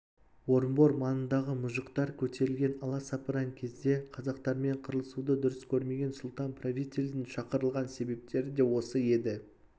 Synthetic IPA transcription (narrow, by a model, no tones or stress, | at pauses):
wo̞ɾmbo̞ɾmɑnənd̪ɑʁəmʊʒəqt̪ɑɾkʲʰɵt̪ʰe̞ɾɪlɡʲe̞nɑlˠɑsɑpəɾɑŋkʲʰe̞zd̪e̞qʰɑzɑqt̪ɑɾme̞ɴqʰəɾəlˠəsud̪əd̪ʊɾəskʲʰɵɾme̞ɡʲe̞nsʊlˠt̪ɑnprovʲit̪ʲelʲd̪ɪnʃɑqəɾəlˠʁɑnse̞be̞p̚t̪e̞ɾɪd̪e̞wo̞səje̞d̪ɪ